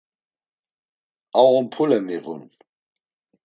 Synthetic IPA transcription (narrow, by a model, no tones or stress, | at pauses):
aɔmpʰulɛmiɣṵn